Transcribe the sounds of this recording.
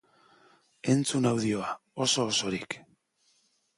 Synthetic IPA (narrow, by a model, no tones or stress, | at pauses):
e̞nt͡sunawðio̞a | o̞so̞ːso̞ɾik